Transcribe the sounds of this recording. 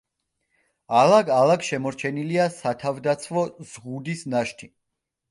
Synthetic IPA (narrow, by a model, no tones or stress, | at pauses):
alaɡalˠaɡʃɛmɔɾt͡ʃʰɛniliasat̪ʰavd̪at̪sʰvɔz̥ʁud̪isnaʃt̪ʰi